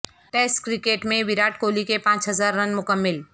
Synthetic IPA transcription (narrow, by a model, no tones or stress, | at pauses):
ʈeːsʈkɾɪkeːʈmẽʋɪɾaːʈkoːlikepãːt͡ʃɦɐzaːɾːɐnmʊkəmːɪl